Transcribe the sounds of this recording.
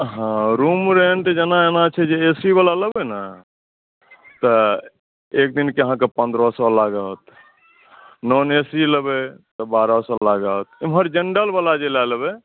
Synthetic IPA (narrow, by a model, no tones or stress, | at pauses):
ɦãɾumɾeɳʈd͡ʒenaenat͡ʃʰɛd͡ʒeesibalaləbɛna | t̪ɔ | ek̚d̪inkeəɦãkepə̃nd̪ɾɔsɔlaɡət̪ | nɔnesiləbɛt̪ɔbaɾɔsɔlaɡət̪̚mɦəɾd͡ʒeɳɖəlbalad͡ʒelaləbe